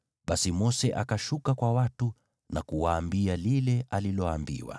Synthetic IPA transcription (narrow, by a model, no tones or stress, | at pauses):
ɓasimɔsɛʔakaʃukakwawatu | nakuwaːmbialilɛʔalilɔambḭwa̰